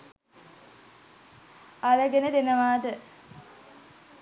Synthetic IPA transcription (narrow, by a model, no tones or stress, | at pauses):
aləɡenəd̪enəʋaːd̪ə